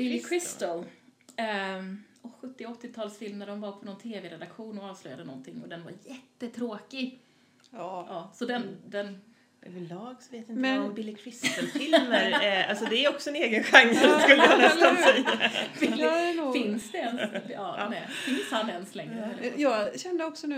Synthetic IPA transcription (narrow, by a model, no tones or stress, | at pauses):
b̥ɪlːɪkʰɾɪst̪əl | ɔɧɵt̪ːɪɔt̪ːɪt̪ʰɑːlsfɪlməɾɔmvɑːpʰɔnɔnt̪ʰeːveːɾɛd̪akɧuːnɔɑːvslœjad̪ənɔ̰nt̪ʰɪŋːɔd̪ɛnva̰ɾjɛt̪ːət̪ʰɾoːkɪ | ʔɑːsɔd̪ɛnd̪ɛn | ɛvɛlɑːɡsɔveːt̪ɪnbɪlːɪkʰɾɪst̪əlfɪlməɾalsɔd̪ɛæɾɔksɔɛneːɡənɧaŋːəlaskɵlːək̪ʰːaaɛjafɪɛnːfɪnsd̪ɛɛnsɑːnɛfɪnshanːɛɛnslɛŋːɾəɛlːəjɑːɡɕɛnd̪əɔksɔnʉ